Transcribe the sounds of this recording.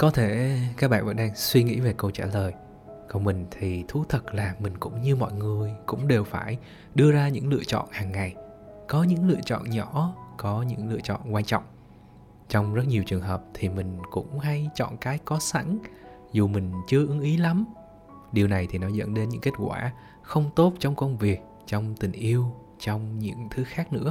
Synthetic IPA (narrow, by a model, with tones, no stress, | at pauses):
kɔ˨˦t̪ʰe˧˩kaː˦˥k̚ɓa̰ː˧˨nvə̰˧˥nɗaː˧ŋswi˧ŋḭ˧˥ve˨˩kə˧wt͡ɕaː˧˩ləː˨˩j | kɔ˧nmï˨˩ŋ̟t̪ʰi˨˩t̪ʰu˨˦t̪ʰə˨˩t̚laː˨˩mï˨˩ŋ̟kʊ̰˧˥ŋ͡mɲɨ˧mɔ̰˧˨jŋɨ˨˩əjkʊ̰˧˥ŋ͡mɗe˨˩wfaː˧˩j | ɗɨ˧əzaː˧ɲɨ̰˧˥ŋlɨ̰˧ət͡ɕɔ̰˧˨nhaː˨˩ŋːa˨˩j | kɔ˨˦ɲɨ̰˧˥ŋlɨ̰˧˨ət͡ɕɔ̰˧˨nɲɔ˧˩kɔ˨˦ɲɨ̰˧˥ŋlɨ̰˧˨ət͡ɕɔ̰˧˨nkwaː˧nt͡ɕɔ̰˧˨wŋ͡m | t͡ɕɔ˧wŋ͡mzə˦˥t̚ɲi˨˩əwt͡ɕɨ˨˩əŋɦəː˨˩p̚t̪ʰi˨˩mï˨˩ŋ̟kʊ̰˧˥ŋ͡mha˧jt͡ɕɔ̰˧˨nkaː˨˦jkɔ˨˦sa̰˧˥ŋ | zu˨˩mï˨˩ŋ̟t͡ɕɨ˧əʔɨ˨˦ŋʔi˨˦la˨˦m | ɗi˨˩əwna˨˩jt̪ʰi˨˩nɔ˨˦zə̰˧˥nɗe˨˧nɲɨ̰˧˥ŋke˦˥t̚kwaː˧˩ | xə˧wŋ͡mt̪o˦˥t̚t͡ɕɔ˧wŋ͡mkə˧wŋ͡mvi˨˩ək̚ | t͡ɕɔ˧wŋ͡mt̪ï˨˩ŋ̟ʔi˧əw | t͡ɕɔ˧wŋ͡mɲɨ̰˧˥ŋt̪ʰɨ˨˦xaː˦˥k̚nɨ̰˧˥ə